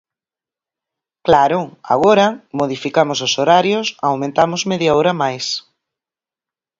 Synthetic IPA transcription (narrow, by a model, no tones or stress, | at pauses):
klaɾʊa̰ɣ̞oɾɐmoðifikamʊsʊsoɾaɾjʊsawmẽnt̪amʊzmeðjaowɾɐmajs